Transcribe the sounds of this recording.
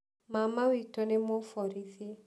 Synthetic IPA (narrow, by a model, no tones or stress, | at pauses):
mamawitɔnemofɔɾiθe